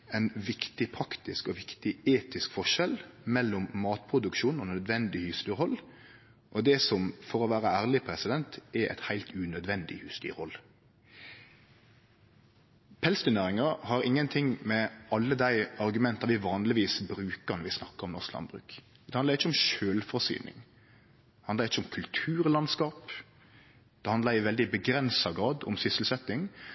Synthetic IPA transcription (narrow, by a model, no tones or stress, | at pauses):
ɛnʋɪkt̪ɪpʰɾɑkt̪ɪskɔʋɪkt̪ɪeːt̪ɪskfɔʃɛlmɛlːɔmːɑːt̪̚pʰɾʊd̪ʉkʃuːnɔnœd̪ʋɛnd̪ɪhyst̪yːɾhɔl | ʔɔd̪ɛsɔmfɔɾɔʋæːɾəæːʁlɪpʰɾɛsɪd̪ɛnt̪ʔɛʔɛ̰t̪hæɪlt̪ʉnœd̪ʋɛnd̪ɪ̰hʉːst̪y̰ːɾhɔlː | pʰɛlsd̪ʉnæːɾɪŋɑhɑɾɪŋːənt̪ʰɪŋmɛɑlːəd̪æɪɑɾɡʉmɛnt̪ːɑʋɪʋɑːnlɪʋiːsbɾʉːkəʁnɔɾʋɪsnɑkːəɾɔmnɔʁsklɑ̰nbʁɾʉ̰ːk | d̪ɛhɑnɑɾɪt͡ʃːəɔmʃøːlfɔsy̰ːnɪ̰ŋ | d̪ɛhɑnd̪lɑʁɪt͡ʃːəʊmkʰʉlt̪ʰʉːɾlɑnskɑːp | d̪̥ɛhɑnd̪ɑɪʋɛld̪ɪbəɡɾɛnsɑɡɾɑːd̪ɔ̰msʏsəlsɛt̪ːɪŋ